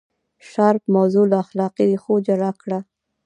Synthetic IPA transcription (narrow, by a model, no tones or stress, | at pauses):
ʃaɾpmawzolaaxlɑqid̪exod͡ʒaɾakɽa